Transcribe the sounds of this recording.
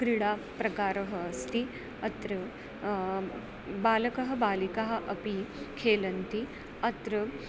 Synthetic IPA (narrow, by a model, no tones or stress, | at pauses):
ɡɾiɽapɾɐkaːɾɐɦɐːst̪i | ɐt̪ɾɐ | baːlɐkɐɦɐ̆baːlikaɦɐ̆ʔɐpikʰeːlɐnt̪i | ɐt̪ɾɐ